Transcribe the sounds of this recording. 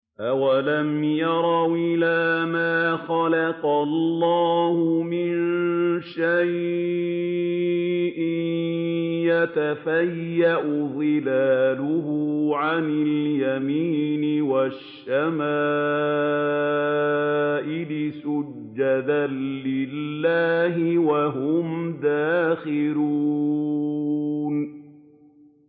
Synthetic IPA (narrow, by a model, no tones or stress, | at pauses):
ʔawalamjɑɾˤɑwʔɪlaːmaːxɑlɑqɑlːɑːhʊmɪnnʃaj | ʔɪ | jat̪afajːaʔʊd̪ˤɨlaːlʊhʊʕanɪljamiːnɪwaʃːamaː | ʔɪlɪsʊ | d͡ʒːad̪alɪlːaːɦɪwaɦʊmd̪aːxɪluː | n